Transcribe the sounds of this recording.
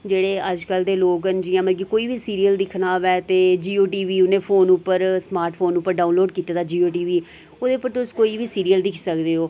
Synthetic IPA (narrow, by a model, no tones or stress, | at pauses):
d͡ʒeːɽeːəd͡ʒkəld̪eːloːkɦənd͡ʒiãːməɡikoːiːbiːsiːɾiːəld̪ɪkʰnaːʋɛːt̪eːd͡ʒiːoːʈiːʋiːʊnẽːpʰoːnʊpːəɾsmaːɾʈʰpʰoːnʊpːəɾɖaːʊ̃nloːɖkiːt̪aːd̪aːd͡ʒiːoːʈiːʋiː | oːd̪eːʊpːəɾt̪ʊskoːiːbiːsiːɾijəld̪ɪkʰsəkd̪eːɦoː